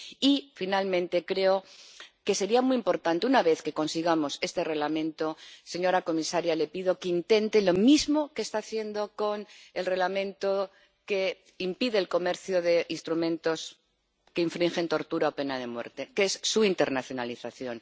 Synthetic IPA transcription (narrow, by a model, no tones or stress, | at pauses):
ifinalmẽnt̪e̞kɾe̞oke̞se̞ɾiamuiimpo̞ɾt̪ant̪eunaβe̞θke̞ko̞nsiɣ̞amo̞se̞st̪e̞re̞ɣlamẽ̞nt̪o̞se̞ɲo̞ɾako̞misaɾjale̞piðo̞keint̪e̞nt̪e̞lo̞mizmo̞kest̪aːθje̞nd̪o̞ko̞nelre̞ɣlamẽnt̪o | ke̞ | impiðeːlko̞me̞ɾθjoðe̞ʔinst̪ɾumẽ̞nt̪o̞s | keiɱfɾiŋxe̞nt̪o̞ɾt̪uɾaope̞nað̞e̞mwe̞̰ɾt̪e̞kesːuint̪e̞ɾnaθjonaliθaθjo̞n